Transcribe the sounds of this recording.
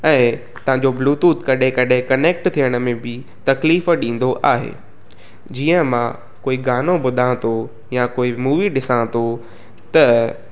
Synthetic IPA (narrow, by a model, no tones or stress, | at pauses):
ɛ̃ː | t̪ɐʋɦãɲd͡ʑobluːt̪uːt̪kɐɗẽkɐɗẽkɐneːk̚ʈt̪ʰijəɽ̃ə̆mẽbɪ | t̪ɐkliːfɗĩːn̆d̪oʔaːɦḛː | d͡ʑiːə̃mã | koːiɡaːnoɓʊd̪ʱãːt̪o | jakoːimuːʋiɗɪsãːt̪o | t̪ɐ